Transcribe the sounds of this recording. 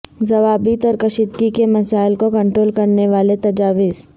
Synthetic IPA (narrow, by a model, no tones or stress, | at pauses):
zɐʋaːbiːt̪ɔːɾkɐʃid̪kikemɐsaːɪlkokɐ̃ɳʈɾoːlkɐɾneʋaːlet̪ɐd͡ʒaːʋɪz